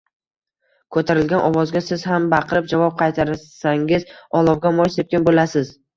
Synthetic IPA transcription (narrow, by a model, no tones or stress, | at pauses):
kʰɵt̪ʰaɾɪlɡʲanʔɒvɒzɡʲasɪz̥ɦambɑqʰɨɾɪp̚d͡ʒavɒp̚qʰɑjt̪ʰaɾsaŋɪzɒlˠɒwɡʲamɒjsep̚kʲanbolasɪz̥